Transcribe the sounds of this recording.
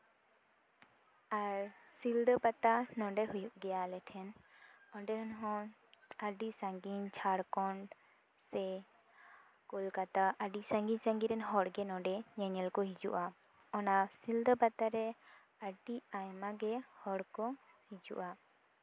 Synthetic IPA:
aɾsild̪əbat̪anɔ̃ɖɛɦujuʔɡɛjalɛʈʰɛnɔɖɛɦɔnɦɔ̃ | aɖisaŋɡiɲt͡ʃʰaɾkɔɳɖ | sɛ | kulkat̪aʔaɖisãŋɡinsaŋɡiɾɛnɦɔɽɡɛnɔɖɛɲɛɲɛlkɔɦid͡ʒṵʔa | ɔnasild̪əbat̪aɾɛ | aɖiajmaɡɛhɔɽkɔ | hid͡ʒṵʔa

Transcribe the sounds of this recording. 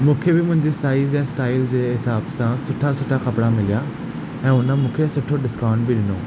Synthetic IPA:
mũːkʰebɪmʊ̃ɦɪ̃ɲd͡ʑesʈaːɪzɛ̃ːsʈaːɪld͡ʑeːɦɪsaːbsãsʊʈʰasʊʈʰaxɐpɽamɪlija | ɛ̃ːʊnə̆mũːkʰesʊʈʰoɗɪskaːʊ̃ɳɖbɪɗɪnoː

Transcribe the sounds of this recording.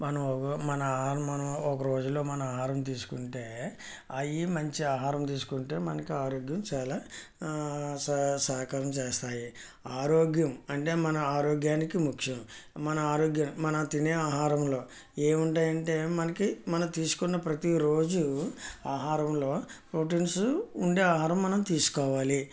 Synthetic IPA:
mɐnɐmkɐmɐnɐːɦaːɾɐmɐnɐmɔkɐɾo̞ːd͡ʒulːo̞ːmɐnɐaːɦaːɾɐmt̪̬iːsu̥kuɳʈe̞ː | ɐjimɐɲt͡ʃiaːɦaːɾɐmt̪̬iːsu̥kuɳʈe̞ːmɐnɐkiaːɾoːɡjɐmt͡ʃaːlaː | ssaːkaɾɐmt͡ʃeːst̪aːji | aːɾo̞ːɡjɐmɐɳʈe̞ːmɐnɐaːɾoːɡjaːnikimukʂɐmmɐnɐaːɾoːɡjɐmːɐnɐt̪ineːaːɦaːɾɐmlo̞ː | eːmuɳʈaːjɐɳʈe̞ːmɐnɐkimɐnɐmt̪iːsu̥kunːɐpɾɐt̪iɾo̞ːd͡ʒuaːɦaːɾɐmlo̞ːpɾoʈ̬insuɳɖe̞ːaːɦaːɾɐmːɐnɐmt̪iːsu̥kɔːʋaːli

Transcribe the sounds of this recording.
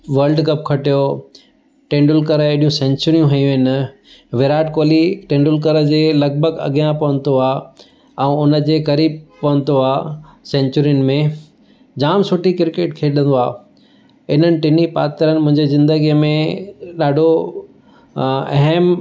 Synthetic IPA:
ʋɐɾlɖkɐp̚kʰɐʈijo | ʈẽːɳɖʊlkəɾeɗijũsẽːɲt͡ɕʊɾijũɦɐjũɪn | ʋeɾaːʈkoːliʈẽːɳɖʊlk̬əɾəd͡ʑeːlɐɡ̚bʱəɡɐ̰ɠijãpɐʋə̃n̆d̪oaː | ɛ̃ʊnə̆d͡ʑeːkɐɾiːb̚pɐʋə̃nd̪oaː | sẽːɲt͡ɕʊɾijʊnɪ̆mẽ | d͡ʑaːmsʊʈikɪɾkeːʈkʰeːɗə̃nd̪oaː | ɪn̤ənɪ̆ʈɪnipaːt̪əɾənɪmʊ̃ɦɪ̃ɲd͡ʑezɪ̃nd̪əɡijəmẽɗaːɖʱo | ɐ̰ɦɛm

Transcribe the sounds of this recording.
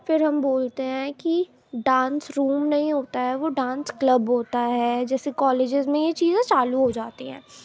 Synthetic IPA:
fɪɾɦɐmboːlt̪eɦɛ̃ːki | ɖãːnsɾuːmnɐɦĩɦoːt̪aɦɛʋoɖãːnskləbɦoːt̪aɦɛːd͡ʒɛːsekɔːleːd͡ʒɪzmẽjet͡ʃiːzẽt͡ʃaːluɦod͡ʒaːt̪iɦɛ̰̃ː

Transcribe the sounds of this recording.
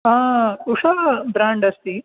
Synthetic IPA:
ɦãːuʂabɾaːɳɖɐst̪i

